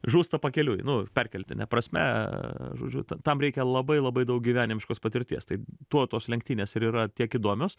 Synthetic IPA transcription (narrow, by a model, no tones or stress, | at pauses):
ʒuːst̪ɐpɐkʲɛlʲuːjnʊpʲɛrʲkʲɛlʲt̪ʲɪnʲɛ̰pɾɐsʲmʲɛ̰ʒo̰ːd͡ʒʲʊ̰t̪ɐt̪ɐmɾʲɛɪkʲɛlˠɐbɐɪlˠɐbɐɪd̪ɐʊk̚ɡʲiʋʲæːnʲɪmʲɪʃkoːspɐt̪ʲɪɾʲt̪ʲiɛst̪ɐɪt̪uɔt̪oːslʲɛŋʲkt̪ʲiːnʲeːsɪɾiːɾɐt̪ʲiɛkiːd̪uɔmʲoːs